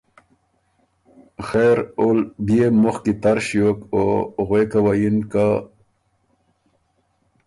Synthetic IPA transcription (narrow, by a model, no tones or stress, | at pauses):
xeɾolbjemuxkit̪aɾɕijokoɣwekawajinka